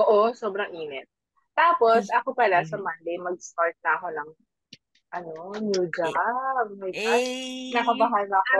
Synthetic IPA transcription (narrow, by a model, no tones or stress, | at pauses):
ʔoʔosoːbɾɐŋʔiːnɛt̪̚ | t̪aːpo̞sʔɐkopɐlasɐmɐnd̪ejmɐɡ̚st̪aɹt̪̚nɐʔɐko̞nɐŋ | ʔɐnonjuːd͡ʒab̚mɐjbanɐkɐbɐɦanɐɐko